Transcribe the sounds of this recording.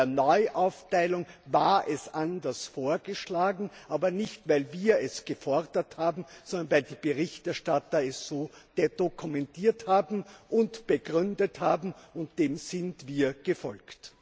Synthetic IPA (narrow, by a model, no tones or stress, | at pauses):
ɐnɔʏʔaʊftaɪlʊŋvaːɐʔɛsʔandɐsfoːɐɡəʃlaːɡŋ̩ʔaːbɐnɪçtvaɪlviːɐɛsɡ̥əfɔʁdɐthaːbm̩sɔndɐnvaɪldiːb̥əʁɪçtɛɐʃtatɐɛsːoːd̥ed̥okʰumɛntʰiːɐthaːbm̩ʔʊntb̥əɡʁʏndəthaːbm̩ʊnt̚d̥eːmz̥ɪntv̥iːɐɡ̥əfɔ̰lkt